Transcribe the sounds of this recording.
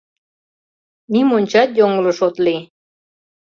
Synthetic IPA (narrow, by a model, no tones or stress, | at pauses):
nimonʲt͡ɕɑt̪joŋəlɤʃot̪li